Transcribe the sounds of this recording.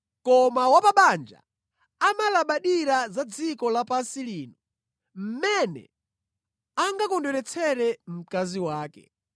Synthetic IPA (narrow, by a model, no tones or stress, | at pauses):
kɔmawapaɓand͡ʒa̰ | amalaɓaɗiɾazad͡zikɔlapasiliːnuɔ | m̩mɛnɛ̰ | aŋɡakɔndɛɾɛt͡sʰɛɾɛm̩kaziwaːkɛ̰